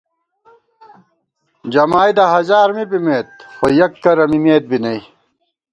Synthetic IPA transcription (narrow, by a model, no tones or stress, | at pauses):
d͡ʑɐmaːjd̪ɐɦɐzaːɾmibimeːt̪̚xojɐkːɐɾɐmimeːt̪̚binɐi